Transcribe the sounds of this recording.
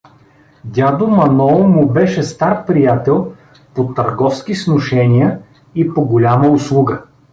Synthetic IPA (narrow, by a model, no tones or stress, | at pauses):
d̪ʲad̪omɐnɔmʊbɛʃɛst̪aɾpɾijat̪ɛlˠ | pot̪ɐɾɡɔfsk̟isnoʃɛnʲijə | ipoɡolʲaməʊslˠuɡə